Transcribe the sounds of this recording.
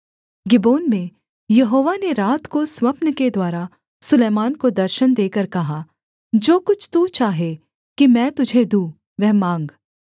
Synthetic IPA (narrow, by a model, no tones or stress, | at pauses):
ɡɪboːnmẽ | jɐɦoːʋaneɾaːt̪koswɐpnəked̪waːɾa | sʊleːmaːnkod̪ɐɾʃənd̪eːkəɾkɐɦaː | d͡ʒoːkʊt͡ʃʰt̪ut͡ʃaːɦe | kimɛ̃ːt̪ʊd͡ʒʱed̪ũː | ʋɛɦmãːŋɡ